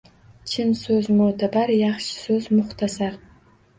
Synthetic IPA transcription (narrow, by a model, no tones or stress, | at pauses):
t͡ʃʰɪnsɵzmod̪ʰabarjɑχʃsøzmʊχt̪ʰasar